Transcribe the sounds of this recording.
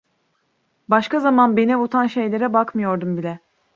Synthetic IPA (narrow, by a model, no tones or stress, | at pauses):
baʃkazamanbenɛut̪ʰanʃe̞jlʲe̞ɾɛbakmɯjo̞ɾd̪umbilʲɛ